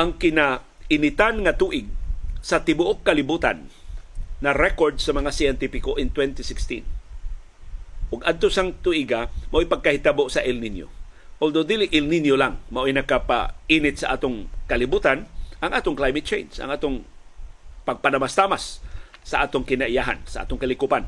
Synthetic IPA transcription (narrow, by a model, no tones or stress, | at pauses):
ʔaŋkɪna | ʔɪnɪt̪anŋat̪uːʔɪɡ̚sɐt̪ɪbʊʔokːɐlɪbuːt̪a̰nː | ɐɾɛkoɹd̪sɐmɐŋasajɛnt̪ɪfɪkoʔɪŋt̪wɛnt̪isɪkst̪ḭn | ʔʊɡad̪̚t̪osaŋt̪uʔɪɡamaʔojpaɡ̚kahɪt̪aboʔsɐʔɪlninjo̰ | ʔold̪od̪ilɪʔɪlninjolaŋmɐʔojnɐkapa̰inɪt̪̚saʔa̰ːt̪oŋkɐlɪbuːt̪anʔaŋʔaːt̪oŋklajmɪt̪̚t͡ʃḛjnsa̰ŋʔaːt̪oŋ | pɐɡ̚panamast̪amasː | ɐʔa̰ːt̪oŋkɪnaʔɪjaɦa̰nsaʔa̰t̪oŋkɐlɪkupan